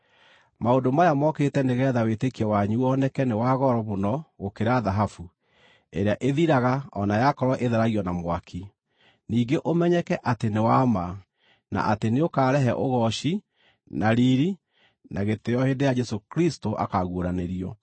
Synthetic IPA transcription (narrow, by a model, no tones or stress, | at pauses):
maondomajamɔketɛneɣɛːðawetekiɔwaɲuɔnɛkɛnewaɣɔɾɔmonɔɣokeɾaðaɦafu | eɾeaʔeðiɾaɣaɔnajakɔɾɔʔeðaɾaɣiɔnamwakʰi | niːɡeʔomɛɲɛkɛʔatenewama | na̰ʔa̰teneokaːɾɛɦɛʔoɣɔʃi | naɾiɾi | naɣetejɔheːndejad͡ʒɛsokɾistoʔa̰kaɣoɾaneɾiɔ